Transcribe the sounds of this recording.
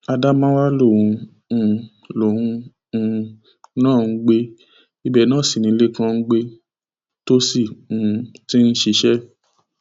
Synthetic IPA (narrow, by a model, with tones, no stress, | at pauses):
a˧da˦mã˦wa˦lo˦˨ũ˧ | ũ˧ | lo˨hũ˧ | nãː˦˨n̩˧˦ɡ͡be˦ | i˦bɛ˦˧˨nãː˦˨si˨nĩ˨˧˦le˦kã˦˧˦ɡ͡be˦ | to˦sĩ˦˨˧ti˦n̩˦ʃe˧ʃɛ˦